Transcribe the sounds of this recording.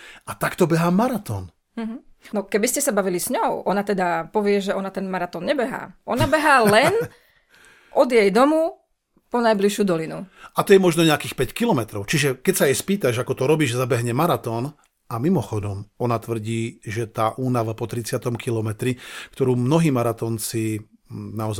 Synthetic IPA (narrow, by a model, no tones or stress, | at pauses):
ʔat̪akt̪ɔbɛɦaːmaɾat̪ɔːn | m̩ɦ̩ | nɔkɛbiscɛsabaʋilisɲɔʊʔɔnat̪ɛd̪apɔʋɪɛʒɛɔnat̪ɛnmaɾat̪ɔːnɲɛbɛɦa̰ːʔɔnabɛɦaːlɛn | ʔɔd̪jɛjd̪ɔmu | pɔnajbliʃjud̪ɔlinuʔat̪ɔjɛmɔʒnɔɲɛakiːxpɛckilɔmɛt̪ɾɔʊt͡ʃiʒɛkɛcsajɛspiːt̪aʒakɔt̪ɔɾɔbiːʒzabɛɦɲɛmaɾat̪ɔːn | amimɔxɔd̪ɔmɔnat̪ʋr̩ɟiːʒɛt̪aːʔuːnaʋapɔt̪ɾit͡sɪat̪ɔmkʰilɔmɛt̪ɾikt̪ɔɾuːmnɔɦiːmaɾat̪ɔːnt͡si | naɔza